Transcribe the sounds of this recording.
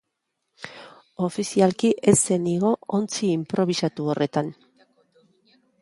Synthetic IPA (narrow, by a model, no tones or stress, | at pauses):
o̞fisialkiʔe̞seniɣo̞ont͡siːmpɾo̞β̞isat̪uorʔe̞t̪an